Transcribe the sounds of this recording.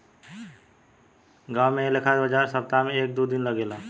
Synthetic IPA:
ɡaːwmẽlekʰad̪bəd͡ʒaɾsəp̚t̪amẽeːk̚d̪ud̪ɪnləɡeːla

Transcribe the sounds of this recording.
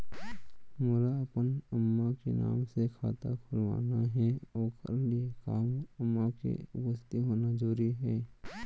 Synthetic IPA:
mʊɾaəpənəmːakḛna̰ːmsekʰa̰ːt̪akʰʊlʋa̰ːnaɦɛɔːkʰə̰ɾliekaːməmːakḛʊpəst̪iɦoːnad͡ʒoːɾiɦɛː

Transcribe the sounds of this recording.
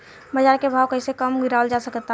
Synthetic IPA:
bəd͡ʒaɾkebʱaːwkəɪsekəmɡiɾald͡ʒasəkət̪ː

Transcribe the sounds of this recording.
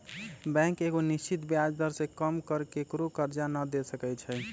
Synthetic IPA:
bɛ̃keɡonist͡ʃit̪bjad͡ʒd̪ʱəɾsekəmkəɾkekɾokəɾd͡ʒanəd̪esəkɛjt͡ʃʰɛ

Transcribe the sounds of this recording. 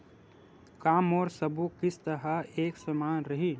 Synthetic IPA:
kaːmɔːɾsɐbukɪst̪ɐɾaeːksəmaːnɾɐɦiː

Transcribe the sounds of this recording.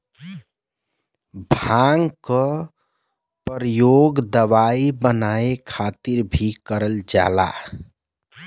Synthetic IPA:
bʱaŋkə | pəɾəjoɡd̪əβaibənaekʰat̪iɾbʱikəɾəld͡ʒa̰la̰

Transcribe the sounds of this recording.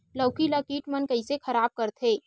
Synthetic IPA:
lɐːkilaːkiːʈmɐnkɐisexʰɐɾaːb̚kɐɾt̪ʰɦeː

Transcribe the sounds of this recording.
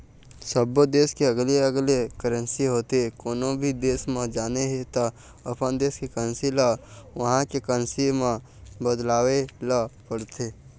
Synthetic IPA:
səbod̪eːskeəɡleəɡlekəɾə̃nsiɦoːt̪ekoːnõbʱid̪eːsmẽd͡ʒaːneɦet̪a | əpənd̪eːskekəənsilaʋɐɦãkekənsimã | bəd̪laːʋelapəɽt̪eː

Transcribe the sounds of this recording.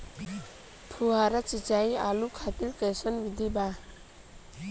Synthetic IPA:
pʰuɦaɾat͡sit͡sajalukʰat̪ilkesʌnbid̪ʱiba

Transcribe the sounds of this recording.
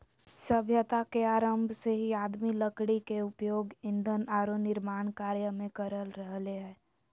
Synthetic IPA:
səbʱjət̪akeaːɾəmbʱseɦiaːd̪miləkɽikeʊpjoːɡɪ̃nd̪ʱənaːɾonɪɾmaːɳ̃kaːɾjəmẽkəɾəlɾəɦleɦɛː

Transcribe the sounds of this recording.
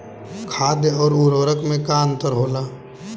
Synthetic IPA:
kʰaːd̪ɔːɾuɾoɾəkmẽkaə̃nt̪əɾɦoːlaː

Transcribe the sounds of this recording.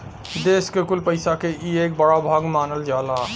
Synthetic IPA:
d̪eːskekʊlpəɪsakeʔieːk̚bəɽabʱaːɡmaːnəld͡ʒaːlaː

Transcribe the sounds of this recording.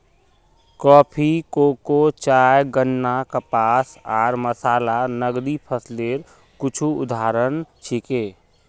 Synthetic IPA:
kɔːpʰikoːkot͡ʃaːjɡənːakəpaːsaːɾməsaːlanəɡɾipʰəsleːɾ | kʊt͡ʃʰuʊ̰d̪ʱaːɾənt͡ʃʰikeː

